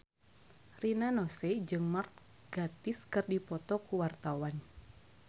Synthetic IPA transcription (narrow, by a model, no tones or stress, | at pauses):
rinanɔsɛd͡ʒɨŋmart̪̚ | ɡ̥at̪iskɨrdipɔt̪ɔkuwart̪awan